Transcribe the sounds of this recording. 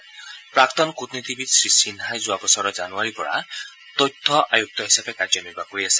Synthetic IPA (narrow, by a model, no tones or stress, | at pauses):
pɹakt̪ɔnkut̪nit̪ibit̪sɹisinɦajzuabɔsɔɹɔzanuaɹipɔ̰ɹa̰ | t̪ɔjt̪ʰːɔʔajuk̚t̪ɔɦisabekaɹd͡ʒɔnibakoɹiase̥